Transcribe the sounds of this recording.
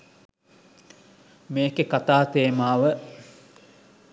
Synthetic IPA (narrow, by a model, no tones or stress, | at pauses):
meːkekat̪aːt̪eːmaːʋə